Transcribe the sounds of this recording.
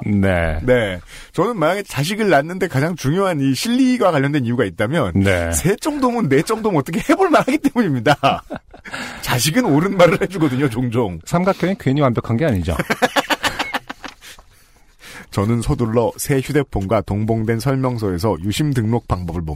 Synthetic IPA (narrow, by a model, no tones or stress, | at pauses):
ne̞̰ne̞ | t͡ɕʌnɯnmaɲaɡet͡ɕaɕ̬ʰiɡɯɭːanːɯnde̞kad͡ʑaŋt͡ɕuŋjoɦaniɕʰiʎːiɡwakaʎːʌndwe̞nijuɡait̚t͈amjʌnnḛsʰe̞t͡ɕ͈ʌŋdomɯnːe̞t͡ɕ͈ʌŋdomɯʌt͈ʌkʰehe̞boɭmanɦaɡit͈e̞muɲimɲida | t͡ɕaɕ̬ʰiɡɯnoɾɯnmaɾɯɭhe̞d͡ʑuɡʌdɯɲot͡ɕoŋd͡ʑoŋsʰamɡak͈ʰjʌinkweɲiwambjʌkʰanɡeaɲid͡ʑo̰ | t͡ɕʌnɯnsʰoduɭːʌsʰe̞çjude̞pʰonɡwatoŋboŋdwensʰʌɭmjʌŋs̬ʰʌe̞sʰʌjuɕʰimdɯŋnok̚p͈aŋbʌbɯɭmo̰